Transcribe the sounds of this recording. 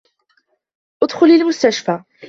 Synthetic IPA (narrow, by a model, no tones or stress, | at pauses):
ʔʊd̪xʊlilmʊst̪aʃfa